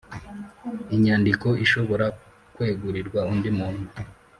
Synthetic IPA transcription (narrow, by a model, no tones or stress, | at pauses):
iɲaːndiko̞iʃo̞βo̞ɾa | kwe̞ːɡuɾiɾɡwaundimuːnhu